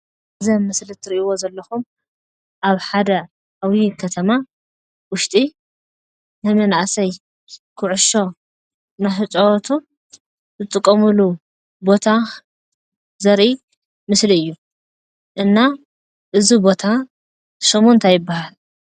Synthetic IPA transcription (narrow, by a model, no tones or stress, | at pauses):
zɐmːɨslɨt̪ʰɨɾiʔiwo̞zɐlːɐxum | ʔaβħad̪ɐ | awikʰɐt̪ʰɐma | wʊʃt̪ʼi | nɐmɐnaʔsɐj | kʰɨʕʊʃo̞ | najħɨt͡ʃʼowt̪ʰu | zɨt̪ʼɨkʼːɐmulu | bo̞t̪ʰa | zɐɾʔi | mɨsliɨjːu | ʔɨnːa | ʔɨzibo̞t̪ʰa | somont̪ʰajɪbːahal